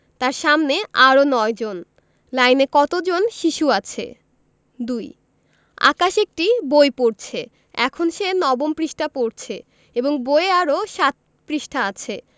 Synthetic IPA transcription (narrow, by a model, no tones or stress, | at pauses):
t̪aɾʃamneaɾonɔed͡ʑon | lajnekɔt̪od͡ʑonʃiʃuat͡ɕʰḛ | d̪uj | a̰kaʃek̚ʈibojpoɾt͡ɕʰe | ɛkʰonʃenɔbompɾiʃʈʰapoɾt͡ɕʰe | eboŋbojeaɾoʃat̪̚ | pɾiʃʈʰaat͡ɕʰe